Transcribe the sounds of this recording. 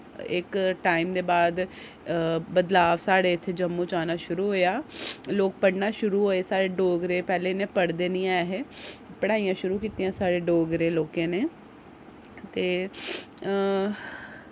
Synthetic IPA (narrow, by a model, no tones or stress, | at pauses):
ɪkʈaːimd̪eːbaːd̪ | bəd̪laːʋsaːɽeːɪt̪ʰːeːd͡ʒəmːũːt͡ʃaːnaːʃʊɾuːɦoːjaːloːk̚pəɽnaːʃʊɾuːɦoːeːsaːɾeːɖoːɡɾeːpɛːleːnẽːpəɽd̪eːnĩːaɦeːpəɽaːijãːʃʊɾuːkiːt̪ijãːsaːɽeːɖoːɡɾeːloːkẽːneː | t̪eː